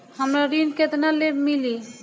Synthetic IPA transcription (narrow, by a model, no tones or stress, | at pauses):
həmɾaɾinket̪nalebmili